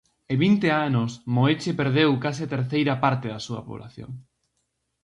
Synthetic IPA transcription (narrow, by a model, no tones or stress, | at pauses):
eβint̪eanʊsmoet͡ʃepeɾðewkas̬ɪat̪eɾθejɾɐpaɾt̪eðɐsuɐ̰po̰βlʔa̰θjo̰ŋ